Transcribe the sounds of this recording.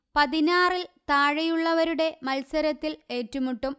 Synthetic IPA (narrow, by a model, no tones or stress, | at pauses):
pɐðinaːrilt̪aːɻɐjuɭːɐʋɐɾuɽe̞mɐlsɐɾɐt̪ːile̞ːtːumuʈːum